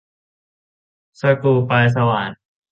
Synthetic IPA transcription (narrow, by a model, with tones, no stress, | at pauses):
sa˧kuː˧pa˧js̬a˧wa̰ː˩˦n